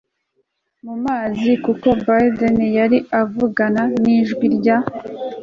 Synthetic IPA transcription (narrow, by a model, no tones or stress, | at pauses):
mumaːzikuko̞bajdenjaɾiavuɡananiʒɡwiɾɟa